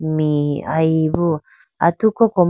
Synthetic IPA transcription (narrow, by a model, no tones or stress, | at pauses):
mĩa̰iβu | a̰t̪ukokom